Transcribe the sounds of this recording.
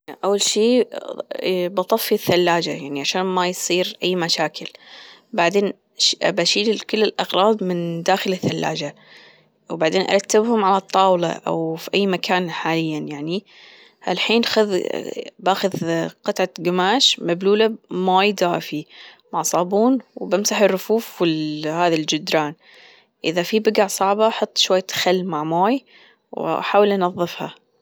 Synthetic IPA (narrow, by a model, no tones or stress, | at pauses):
ʔawːalʃiː | bɑt̪ˤɑfːiθːalːaːd͡ʒajaʕniʕaʃaːnmajsˤiːɾʔajːmaʃaːkʰɪlbaʕd̪eːn | baʃiːlkɪlːɪlʔɑɣɾˤɑːb̪mɪnd̪aːxɪlɪθːalːa̰ːd͡ʒa | wbaʕd̪eːnʔa̰ɾˤɑt̪ːɪbhʊmʕalat̪ˤːɑːwlɑ̰ʔa̰wfiʔajːmakʰaːnħaːlɪjːanjaʕni | ha̰lħiːnxʊð | baːxʊðqɑt̪ʕaɡamaːʃmabluːlamoːjd̪aːfi | maʕsˤɑːbuːnwbamsaħɪrːʊfuːfwɪlhaːðald͡ʒɪd̪ɾˤaːn | ʔɪ̰ðafibɪɡaʕsˤɑʕbɑħɑt̪ˤːʃwajːat̪xalːmaʕmoːj | w̰ħaːwɪlʔɑnɑðˤːɨfha̰